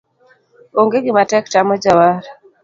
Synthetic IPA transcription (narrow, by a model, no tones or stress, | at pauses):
oŋɡeɡimatɛktamod͡ʒawaɾ